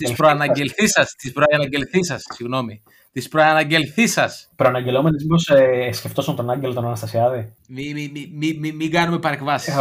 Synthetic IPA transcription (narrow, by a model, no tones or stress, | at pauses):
t̪ispɾoɐnɐɟelθisɐst̪ispɾonɐɟe̞lθisɐsːiɣno̞mi | t̪ispɾoɐnɐɲɟe̞lθisɐspɾoɐnɐɟe̞lo̞menizmiposesce̞ft̪osɐmt̪onɐɲɟelo̞t̪onɐnɐst̪ɐsiɐði | mimimimimimiɡɐnume̞pɐɾekvɐsis